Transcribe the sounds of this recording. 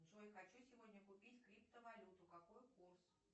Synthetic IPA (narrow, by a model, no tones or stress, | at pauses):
zojxɐt͡ɕusʲɪvodʲnʲəkʊpʲitʲkɾʲipt̪əvɐlʲut̪ʊkɐkojkurs